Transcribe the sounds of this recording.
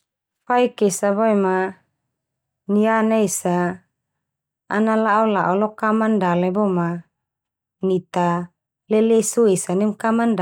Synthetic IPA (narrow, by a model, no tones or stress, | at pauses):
faikesabɔɛma | nianaesa | nalaʔɔlaʔɔlɔkamandalɛbɔma | nit̪a | lɛlesuesanɛmkamand